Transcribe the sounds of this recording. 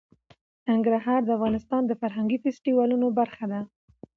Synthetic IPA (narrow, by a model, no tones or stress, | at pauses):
nɪŋɡɾaɦɑɾd̪əafɣɑnɪst̪ɑnd̪əfaɾɦaŋɡifɪsʈiwɑlunobaɾxad̪a